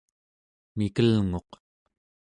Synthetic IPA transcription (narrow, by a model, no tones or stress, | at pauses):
mikəlŋo̞q